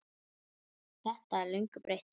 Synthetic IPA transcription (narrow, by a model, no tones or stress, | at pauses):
θɛht̪aɛɾlœŋkʏpɾejht̪